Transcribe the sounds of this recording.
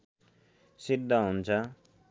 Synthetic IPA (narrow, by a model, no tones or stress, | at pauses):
sid̪ʱːʌɦunt͡sʰʌ